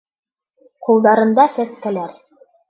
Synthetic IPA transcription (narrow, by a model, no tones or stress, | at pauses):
qulˠd̪ɑɾɤ̆nd̪ɑsæskælæɾ